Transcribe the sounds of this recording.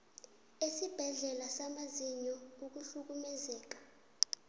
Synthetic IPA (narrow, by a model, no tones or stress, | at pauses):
esib̥ʱɛɮɛlasamaziɲɔuk̬uɬuk̬umɛzɛːk̬ḁ